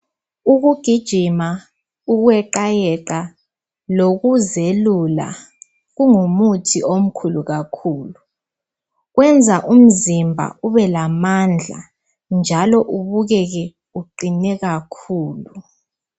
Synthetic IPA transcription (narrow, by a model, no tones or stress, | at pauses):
uk̬uɡ̥ʱid̥ʒ̥ʱima | uk̬wɛǃajɛǃa | lokuzelula̰ | ɣuŋumutʰiʔom̩kʰuluɣakʰuːlu | ɣwɛnd͡zʱaʔum̩zimbʱa̰uβɛlamand͡ɮʱa̰ | nd͡ʒʱalɔʔuβuɣ̬ɛk̬ɛ | uǃinɛɣakʰuːlu